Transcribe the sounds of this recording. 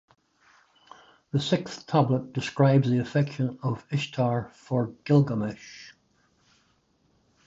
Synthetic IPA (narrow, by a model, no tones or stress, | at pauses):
ðəsɪkθtʰʌblˠət̚d̥ɪskɹaɪbzðiɨfɛkʃə̃nəvɪʃtʰɑɹfə˞ɡ̥ɪlˠɡəmɪʃ